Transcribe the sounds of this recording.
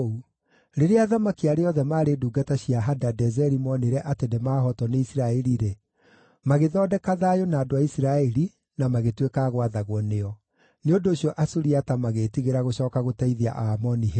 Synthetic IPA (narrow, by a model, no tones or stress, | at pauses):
u | ɾeɾeaðamakiaɾeɔðɛmaːɾeduːɡataɕiaɦadadɛzɛɾimɔneɾɛʔatenemaːɦɔtɔneisiɾaɛɾiɾe | maɣeðɔːdɛkaðaːjonaːdoaisiɾaɛɾi | namaɣetwekaːɣwaðaɣwɔneɔ | neodoːɕiɔʔasuɾiatamaɣetiɣeɾaɣoɕɔːkaɣotaiðea̰ʔamɔniɦe